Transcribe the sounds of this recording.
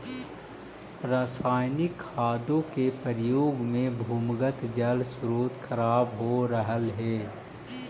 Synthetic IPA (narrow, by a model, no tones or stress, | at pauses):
pɾaːsaːjnɪkʰːaːd̪õkepəɾɪjoːɡmẽbʱuːmɡət̪d͡ʒəlsɾoːt̪kʰəɾaːbɦoɾəɦəlɦɛː